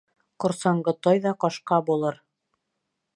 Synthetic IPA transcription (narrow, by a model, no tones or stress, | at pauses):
qŏɾsɑɴɢɤt̪ɑjðɑqɒʃqɑbulˠɤɾ